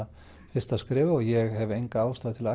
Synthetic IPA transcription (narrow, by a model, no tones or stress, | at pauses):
fɪst̪askɾɪːvaɔjɛɣhɛvɛjŋkaaːwst̪aːðt̪ʰɪla